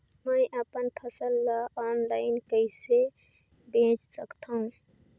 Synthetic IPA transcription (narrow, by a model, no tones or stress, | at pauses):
məjʔəpənpʰəsəlːaɔnlaɪnkəɪse | bẽt͡ʃsəkt̪ʰəɦũ